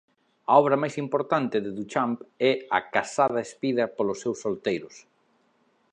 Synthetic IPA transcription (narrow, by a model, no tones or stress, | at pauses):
ɐɔβɾɐmajsimpoɾt̪ant̪ɪðɪðut͡ʃampɛɐkasað̞ɐespiðɐpolʊsːewsːolt̪ejɾʊs